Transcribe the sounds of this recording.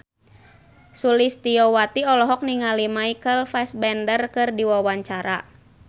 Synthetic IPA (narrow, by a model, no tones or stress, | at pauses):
sulist̪iɔwat̪iɔlɔɦɔk̚niŋalimaikəlfɛsbɛndərkɨrdiwawaɲt͡ʃaɾa̰